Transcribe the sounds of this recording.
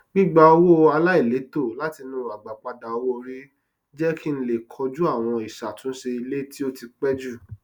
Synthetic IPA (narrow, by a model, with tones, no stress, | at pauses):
ɡ͡bĩ˦ɡ͡ba˧o˧wo˦˧a˧la˦i˦˨le˨˦to˦˨la˨˦ti˧nũ˦a˨ɡ͡ba˨k͡pa˧da˨o˧wo˦o˧ɾi˦ | d͡ʒɛ˦ki˦n̩˦le˦˨kʰɔ˧d͡ʒu˦a˦˨w̃ɔ̃˧i˨ʃa˨tũ˨˦ʃe˧i˧le˦ti˦o˦ti˧k͡pɛ˦d͡ʒu˦˨